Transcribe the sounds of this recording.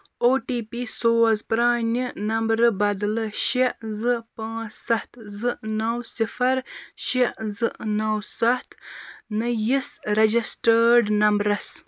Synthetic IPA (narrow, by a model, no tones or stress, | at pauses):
oːʈiːpisoːzpɾaːnʲinɐmbɾɨbɐd̪lɨʃezɨpãːsɐht̪zɨnɐwsifɐɾʃizɨnɐwsɐht̪nɨjisɾɐd͡ʒisʈəɖnɐmbɾɐs